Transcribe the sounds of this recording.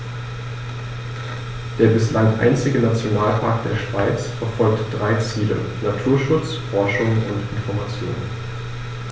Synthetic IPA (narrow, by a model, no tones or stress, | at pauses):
d̥eːɐbɪslaŋʔa̰ɪnt͡sɪɡənat͡sjonaːlpʰaːɐk̚t̚d̥eːɐʃv̥aɪt͡sfɛɐfɔlk̚td̥ʁaɪt͡siːlə̰ | natʰuːɐʃʊt͡sfɔɐʃʊŋʊntʔɪnfɔɐmat͡sjo̰ːnə̰n